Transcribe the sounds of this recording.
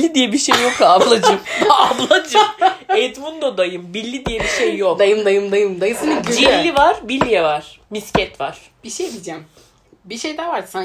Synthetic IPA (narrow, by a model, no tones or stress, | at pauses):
lːʲid̪ijɛbiʃejːokaːblˠad͡ʒɯmd̪aablˠad͡ʒɯmɛt̪mund̪od̪ajɯmbilʲːid̪ijɛbiʃejːokd̪ajɯmd̪ajɯmd̪ajɯmd̪ajɯsinid͡ʒilʲːivaɾ̥bilʲːijɛvaɾ̥miscɛt̪vaɾ̥ | b̥iʃejbid͡ʒɛm | biʃejd̪ɛvaɾsan